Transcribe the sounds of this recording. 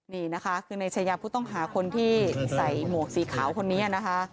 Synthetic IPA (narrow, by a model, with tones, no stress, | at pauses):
niː˧˩na˦˥kʰa˦˥kʰɯː˧na˧jt͡ɕʰa˧jaː˧pʰuː˥˩t̪ɔ˥˩ŋɦaː˩˦kʰo˧nt̪ʰiː˥˩sa˨˩jmu˨˩ək̚siː˩˦kʰaː˩˦wkʰo˧nːiː˦˥ʔa˨˩na˦˥kʰa˦˥